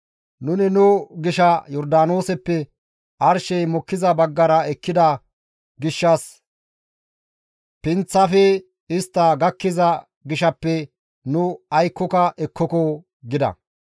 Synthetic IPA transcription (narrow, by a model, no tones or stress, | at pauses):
nʊnɪnʊɡɪʃɐjɔɾd̪aːnoːsɛpːɛ | ʔɐɾʃɛjmɔkːɪzɐbɐɡːɐɾɐɛkːɪd̪ɐ | ɡɪʃːɐs | pɪnt͡sːɐfɛ | ɪst̪ːɐɡɐkːɪzɐ | ɡɪʃɐpːɛ | nʊɐjkːɔkɐʔɛkːɔkɔ | ɡɪd̪ɐ̰